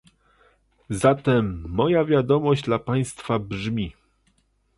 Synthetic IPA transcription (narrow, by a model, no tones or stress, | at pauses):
zat̪ɛmːɔjavʲjad̪ɔmɔʑd͡ʑd̪lapaj̃st̪fabʐmʲi